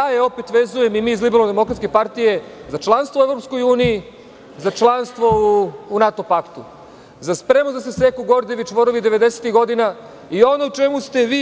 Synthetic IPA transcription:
aːjeo̞pet̪ʋe̞zuje̞mimiːzlibenod̪e̞mo̞kɾat̪kepaɾt̪ije̞zat͡ʃlˠanst̪ʋoue̞vɾopsko̞juːniji | zat͡ʃlˠanst̪ʋo̞unat̪o̞pakt̪u | zaspɾe̞mozasese̞kuɡo̞ɾd̪eʋit͡ʃʋo̞ɾoʋid̪eʋe̞d̪e̞set̪iɡo̞d̪ina | io̞nout͡ʃe̞must̪e̞ʋiː

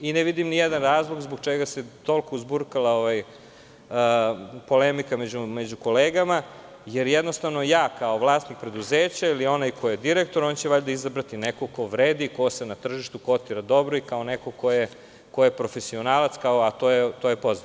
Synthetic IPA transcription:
ineʋid̪imnijed̪anɾaːzlˠoɡzboɡt͡ʃeɡaset̪o̞lkouzbuɾkalaoʋaj | əpo̞lemikamed͡ʑumed͡ʑuko̞leːɡama | jeɾjed̪no̞st̪aʋno̞jaːkaoʋlˠaːst̪nik̚pɾe̞d̪uzeːt͡ɕailio̞najkʰojed̪iɾekt̪o̞ɾont͡ɕeʋaʎd̪aizabɾat̪inekokoʋɾeːd̪ikosenat̪r̩ʒiʃt̪ukot̪t̪iɾad̪o̞bɾoikaonekokoje | kojepɾo̞fesio̞naːlat̪skaoat̪ojet̪ojepo̞za

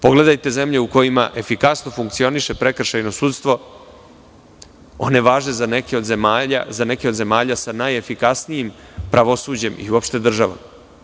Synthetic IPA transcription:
po̞ɡle̞d̪ajt̪e̞ze̞mʎe̞uko̞jimaʔe̞fikasno̞fuŋk̚t̪sio̞niʃe̞pɾe̞kr̩ʃajno̞suːt̪st̪ʋo̞ | o̞̰ne̞ʋaːʒne̞zanekeod̪zemaʎa̰zane̞keo̞d̪ze̞maːʎasanajefikasnijim | pɾaʋo̞suːd͡ʑe̞mʔḭuopʃt̪e̞d̪r̩ʒaʋa̰m

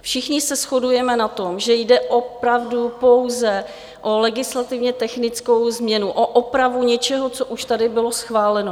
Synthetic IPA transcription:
fʃɪxɲɪsɛsxo̞dujɛmɛnat̪o̞mʒɛjdɛʔopɾavdupo̞wzɛ | ʔolɛɡɪslat̪ɪvɲɛt̪ɛxnɪt͡sko̞wzmɲɛnuʔoʔopɾavuɲɛt͡ʃɛɦot͡soʔuʃt̪adɪbɪlo̞sxvaːlɛno

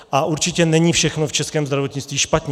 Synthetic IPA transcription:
ʔaʔuɾt͡ʃɪcɛnɛɲifʃɛxnoft͡ʃɛskɛːmzd̪ɾavo̞t̪ɲɪt͡st̪viːʃpat̪ɲɛ

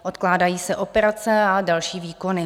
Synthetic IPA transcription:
ʔo̞t̪klaːdajiːsɛʔo̞pɛɾat͡sɛadalʃiːviːko̞nɪ

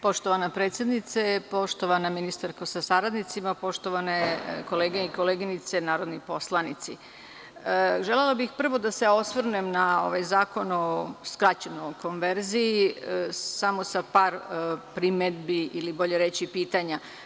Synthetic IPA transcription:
po̞ʃt̪o̞ʋanapɾe̞ːt̪sʲjed̪nit̪sepo̞ʃt̪o̞ʋanaminist̪aɾkosasaɾad̪nit̪simapo̞ʃt̪o̞ʋaneko̞leːɡeiko̞leːɡinit̪se̞naːɾod̪nipo̞slˠanit̪si | əʒelelobixpr̩ʋo̞d̪ase̞o̞sʋr̩nemnao̞̰ʋajzaːko̞noskɾat͡ɕenoko̞nʋe̞ɾzii | samosapaːɾpɾimed̪biʔilibo̞ʎe̞ɾe̞t͡ɕipiːt̪aɲa

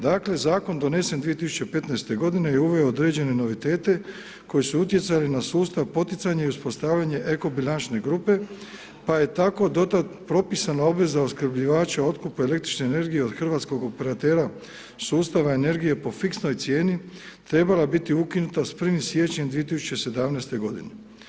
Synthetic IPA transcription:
d̪aːkle̞zaːko̞nd̪one̞send̪ʋije̞t̪isu̥t͡ɕe̞pe̞t̪najst̪e̞ɡo̞d̪inejeuʋe̞ood̪ɾe̞d͡ʑe̞ne̞no̞ʋit̪e̞ːt̪e̞ | ko̞jesuut̪je̞t̪salinasuːst̪aʋpo̞t̪it̪saɲeiuspo̞st̪aːʋʎaɲe̞ʔeko̞bilant͡ʃne̞ɡɾupe̞ | paje̞t̪ako̞d̪o̞t̪at̪pɾo̞pisanao̞bʋe̞zaoskr̩bʎiʋaːt͡ɕao̞t̪kupuele̞k̚t̪ɾit͡ʃne̞ːne̞ɾɡije̞o̞d̪xr̩ʋat̪sko̞ɡo̞pe̞ɾat̪e̞ːɾa | suːst̪aʋae̞ne̞ɾɡije̞po̞fiksno̞jt̪sje̞ːni | t̪ɾe̞balabit̪iukinut̪asprɾ̩ʋimsje̞t͡ɕemd̪ʋiet̪isu̥t͡ɕe̞se̞d̪amnejst̪e̞ɡo̞d̪ḭne

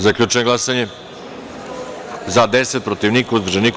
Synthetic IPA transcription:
zakʎʲut͡ʂeneɡlˠasaɲe | zad̪eset̪̚pɾot̪iʋnikauzvrʒenik

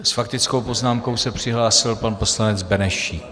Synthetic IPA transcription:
sfak̚t̪ɪt͡skowpo̞znaːmko̞wsɛpr̝̥ɪɦlaːsɪlpanpo̞slanɛd͡zbɛnɛʃiː

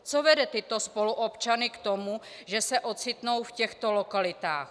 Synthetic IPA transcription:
t͡sovɛdɛt̪ɪt̪ospoluʔopt͡ʃanɪkt̪omu | ʒɛsɛʔo̞t͡sɪt̪no̞wfcɛxt̪o̞lokalɪt̪a̰ːx

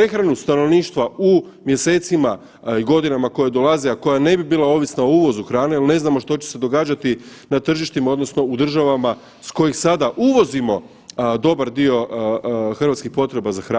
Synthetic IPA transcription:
pɾe̞xɾanust̪ano̞ʋniːʃt̪ʋau | mjese̞ːt̪sima | iɡo̞d̪inamako̞jed̪o̞lazeako̞jane̞bibiːlˠao̞ːʋisnaouʋo̞zuxɾaːneilne̞znamo̞ʃt̪o̞t͡ɕese̞d̪o̞ɡaːd͡ʑat̪i | nat̪r̩ʒiʃt̪imao̞d̪no̞sno̞ud̪r̩ʒaʋama | sko̞jixsad̪aʔuʋo̞zimo̞ | d̪o̞baɾd̪io̞ | xr̩ʋat̪skixpo̞t̪ɾe̞bazaxɾaː

